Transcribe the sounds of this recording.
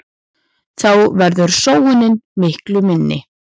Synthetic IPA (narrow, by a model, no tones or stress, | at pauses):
θawvɛɾðʏɾ̥soːwʏnɪnmɪhklʏmɪnːɪ̰